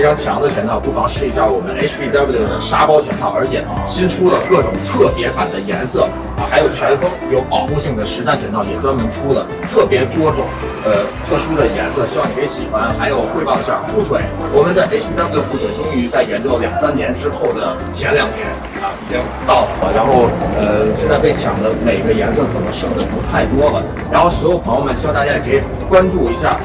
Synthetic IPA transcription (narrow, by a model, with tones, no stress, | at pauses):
e˥ʈ͡ʂʰɑ˥ŋt͡ɕʰjɑ˧˥ŋd̪ə˧t͡ɕʰɥɛ˧˥nt̪ʰɑ˥˩ʊpu˥˩fɑ˧˥ŋʂɻ̩˥˩i˧˥ɕja˥˩wɔ˨˩mə˦ne˥ɪʂʰpʰi˥t̪a˥˧˥pe˥˩ɪd̪ə˧˩ʂa˥pɑ˥ʊt͡ɕʰɥɛ˧˥nt̪ʰɑ˥˩ʊə˞˧˥t͡ɕʰjɛ˨˩ɕi˥nʈ͡ʂʰu˥lə˨kɤ˥˩ʈ͡ʂʊ˨˩ŋt̪ʰɤ˥˩pjɛ˧˥fa˨˩nd̪ə˦jɛ˧˥nsɤ˥˩˧ | xa˧˥ɪjo˨˩ʊt͡ɕʰɥɛ˧˥nfɤ˥ŋjo˧˥ʊpɑ˨˩ʊkʊ˥˧ŋɕi˥˩ŋd̪ə˩ʂɻ̩˧˥t̪a˥˩ɪt͡ɕʰɥɛ˧˥nt̪ʰɑ˥˩ʊjɛ˨˩ʈ͡ʂwa˥nmə˧˥nʈ͡ʂʰu˥lə˨ | t̪ʰɤ˥˩pjɛ˧˥t̪wɔ˥ʈ͡ʂʊ˨˩˦ŋ | ə˧t̪ʰɤ˥˩ʂu˥d̪ə˨jɛ̰˧˥nsɤ˥˧˩ɕi˨˧˥wɑ˥˩ŋni˧˩kʰɪɕi˨˩xwa˥nxa˧˥ɪjo˨˩ʊxwe˥˧ɪpɑ˥ʊə˥ɑ̰˥˩fu˥˩t͡sʰwe˨˩ɪwɔ˨˩mə˨˦nt͡sa˥˧ɪʈ͡ʂe˥˩ɪɕi˥ŋʈ͡ʂ̪a˥ntwfu˥˩t͡sʰwe˨˩ɪʈ͡ʂʊ˥ŋy˧˥t͡sa˥˩ɪjɛ˧˥nt͡ɕo˥˩ʊljɑ˨˩ŋsa˥nnjɛ˧˥nʈ͡ʂɻ̩˥xo˥˩ʊd̪ə˩ | t͡ɕʰjɛ˧˥nljɑ˨˩ŋnjɛ̰˧˥n | ə˥˧˩i˨˩t͡ɕɛ˥tʰt̪ɑ˥˩ʊlə˩xwa̰˥˩ɻa˧˥nxo˥˩ʊə˧ɕjɛ˥˧nt͡sa˥˧ɪp̬e˥˩ɪt͡ɕʰjɑ̰˨˩ŋd̪ə˧me˨˩ɪi˧˥ɡə˧jɛ˧˥nsɤ˥˩kʰɤ˨˩nɤ˧˥ŋʂɤ˥˩ŋd̪ə˧˩pu˧˥t̪ʰa˥˩ɪt̪wɔ˥lə̰˩ | ɻa˧˥nxo˥˩ʊs̬wɔ˧˥jo˨˩ʊpʰɑ˧˥jmə˨˩ɕi˥wɑ˥˧ŋt̪a˥˩t͡ɕa˥˩kʰe˧˥˩ | kwa˥nʈ͡ʂu˥˩i˧˥ɕja̰˥˩